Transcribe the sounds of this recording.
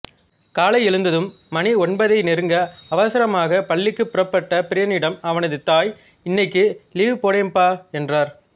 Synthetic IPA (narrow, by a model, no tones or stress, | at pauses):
kaːlɐɪɛɻɯnd̪ɐðɯmːɐniɔnbɐðɐɪnɛɾɯŋɡɐɐʋɐsɪɾɐmaːɣɐpɐɭːɪkːɯpːʊɾɐpːɐʈːɐpɪɾɪjɐnɪɽɐmɐʋɐnɐðɯt̪aːj | ɪnːɐɪkːɯliːʋɯpoːɽɐmpaːɛndraːɾ